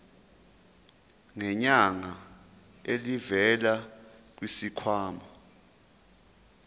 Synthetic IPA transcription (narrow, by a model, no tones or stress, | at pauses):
ŋɛɲaŋa | elivɛlak̬wisikʰwaːma